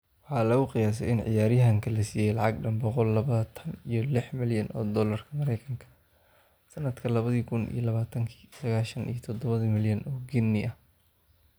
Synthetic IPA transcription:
wɑħɑːlɐɣʊqɪjaːs̬ɛɪnʕɪ̰jaːɾɪjɦɐŋkʰɐlɐsiːjɛjlɑʕɑɡɖɐnbɔqɔlːɐβɐt̪ʰɐnijɔlɪħmɪljɐnʔɔ̰ːd̪ɔːlɐrkʰɐmɐɾɛjkʰɐŋkʰɐ̥ | sɐnɐd̪kʰɐlɐβɐðiːkʰʊnḭjɔlɐβaːt̪ʰɐŋkʰi̥ːsɐɣaːʃɐnḭjɔt̪ʰɔd̪ɔβɐðimɪljɐnʔɔːɡɪnːɪʔɐh

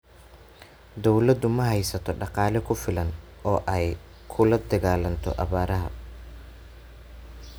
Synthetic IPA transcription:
d̪ɔwlɐd̪ʊmɐɦɛjsɐt̪ʰɔɖɑqɑːlɛkʰʊfɪlɐn | ʔɔːʔɛj | kʰʊlɐd̪ɐɣaːlɐnt̪ʰɔ̰ʔɐβaːɾɐɦɐ̰

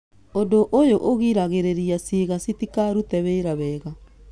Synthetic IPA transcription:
odoʔojoʔoɣiɾaɣeɾeɾiasiɣasitikaɾutɛβeːɾaβɛːɣa

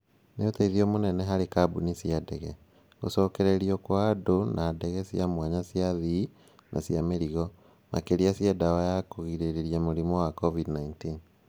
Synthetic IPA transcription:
neotaiðiomonɛnɛɦaɾekabunisjadɛɣɛ | ɣo̰sɔːkɛɾeɾiɔkwaːdonaːdɛɣɛsjamwaɲasiaði | nʔa̰sjameɾiɣɔ | ma̰keɾiasjɛdawajakoɣiɾeɾeɾiamoɾimɔwakɔvidnaintin

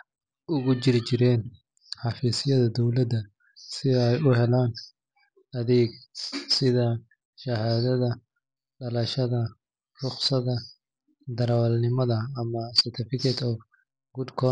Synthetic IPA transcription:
ʔʊɣʊt͡ʃɪɾɪt͡ʃɪɾɛːn | ħɑfiːsɪjɐðɐd̪ɔwlɐd̪ɐ | sɪɛjʊɦɛlaːn | ɐðɛːɡsɪðɐ | ʃɐhaːðɐðɐ | ɖɐlɐʃɐðɐ | rʊχsɐðɐ | d̪ɐɾɐwlnɪmɐðɐːmɐsɛrt̪ʰɪfɪkʰɛt̪ʰɔf | ɡʊd̪kʰɔ

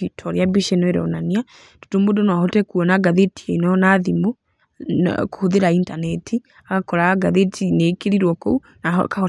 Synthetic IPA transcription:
itʰɔɾjabiʃenɔeɾɔ̰nania | to̥tomodonwaɦotɛkuɔnaɡaðetiɛinɔnaðimṵ | ko̥hoðeɾaintanɛtʰi | aɣakɔɾaɡaðetʰinekeɾiɾwɔkou | na̰kahɔ

